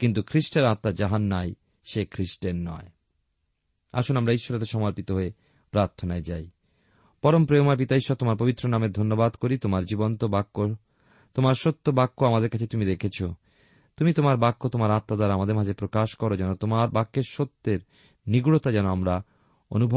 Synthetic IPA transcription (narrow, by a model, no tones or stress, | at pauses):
kint̪̬ukʰɾiʃʈeɾat̪ːad͡ʑaɦanːaj | ʃekʰɾiʃʈenːɔ̰e | a̰ʃonamɾaiʃːoɾet̪eʃɔmaɾpit̪oɦoe | pɾaɾt̪ʰonaed͡ʑaj | pɔɾompɾeomaepit̪aiʃːɔt̪omaɾpobit̪ːɾonameɾd̪ʱonːobad̪koɾit̪omaɾd͡ʑibont̪obakːo | t̪omaɾʃot̪ːobakːoamad̪eɾkat͡ɕʰet̪umid̪ekʰet͡ɕʰo | t̪umit̪omaɾbakːot̪omaɾat̪ːad̪aɾamad̪eɾmad͡ʑepɾokaʃkɔɾod͡ʑɛnot̪omaɾbakːeɾʃot̪ːeɾ | niɡuɽot̪ad͡ʑɛnoamɾa | o̰nubʱ